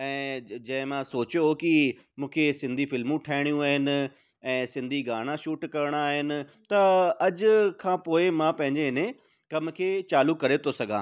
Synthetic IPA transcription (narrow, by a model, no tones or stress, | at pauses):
ɛ̃ːd͡ʑɐ̃ɦɪ̃mãsoːt͡ɕjoki | mũːkʰesɪ̃nd̪ʱifɪlmũʈʰaːɪɽ̃ijũaːɦɪnɪ̆ | ɛ̃ːsɪ̃nd̪ʱiɡaːɽ̃ãʃuːʈkɐɾɪɽ̃aːɦɪnɪ̆ | t̪ɐɐʄkʰãːpoːɪmãpɐ̃ɦɪ̃ɲd͡ʑeɦɪnẽ | kɐmkʰeːt͡ɕaːlukɐɾet̪ʰosɐɡʱãː